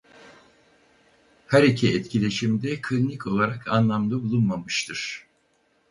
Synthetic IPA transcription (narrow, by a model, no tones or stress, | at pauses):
haɾecʰiɛt̪cʰilʲe̞ʃimd̪ɛkʰlʲinʲiko̞lˠaɾakʰanlˠamd̪abulˠunmamɯʃt̪ʰɯɾ̥